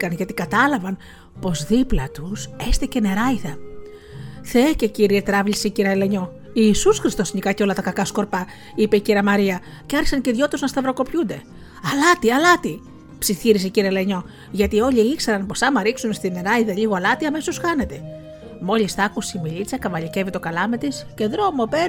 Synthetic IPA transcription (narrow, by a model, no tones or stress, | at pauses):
kɐnʝɐt̪ikɐt̪ɐlɐvɐn | po̞zðiplɐt̪use̞st̪ice̞ne̞ɾɐiðɐ | θeece̞ciɾiet̪ɾɐvlisiciɾiɐle̞ɲo̞ | iːsusxɾist̪o̞sɲikɐceo̞lɐt̪ɐkɐkɐsko̞ɾpɐ | ipe̞iciɾɐmɐɾiɐ | ceɐɾçi̥sɐnceðʝo̞t̪uznɐst̪ɐvɾo̞ko̞pçund̪e̞ | ɐlɐt̪iɐlɐt̪i | psiθiɾis̬iciɾieleɲo̞ | ʝɐt̪io̞ʎiikseɾɐnpo̞sɐmɐɾiksunst̪ine̞ɾɐiðɐʎiɣoɐlɐt̪iɐmesosxɐne̞t̪e̞ | mo̞list̪ɐkusimilit͡sɐkɐvɐʎice̞vit̪o̞kɐlɐme̞t̪isce̞ðɾo̞mo̞pe̞ɾ